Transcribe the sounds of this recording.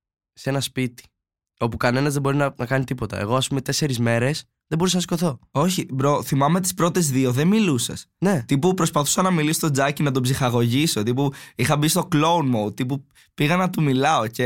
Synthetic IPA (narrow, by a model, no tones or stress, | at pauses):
se̞nɐspit̪i̥ | o̞pukɐne̞nɐzðebo̞ɾinɐnɐkɐnit̪ipo̞t̪ɐ̰ḛɣo̞ɐspume̞t̪e̞se̞ɾizme̞ɾe̞s | ðebo̞ɾusɐɐskoθo̞o̞çipɾoθimɐme̞t̪i̥spɾo̞t̪e̞zðio̞ðemilusɐ̰sne̞t̪ipupɾo̞spɐθu̥sɐnɐmilisot̪o̞d͡zɐcinɐt̪̬opsixɐɣo̞ʝiso̞t̪ipuixɐbist̪o̞klo̞unmowt̪ipu | piɣɐnɐt̪umilɐo̞ce̞